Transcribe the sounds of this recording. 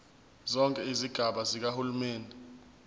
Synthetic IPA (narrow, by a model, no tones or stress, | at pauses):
zɔŋkʼɛiziɡ̥ʱaɓazik̬ahulumeːndʱɛ